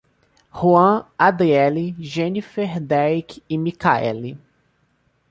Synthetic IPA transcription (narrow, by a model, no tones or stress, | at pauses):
huɐ̃ad̪eɛliʒẽnifɛɾd̪ɛjkɪmikaɛ̰li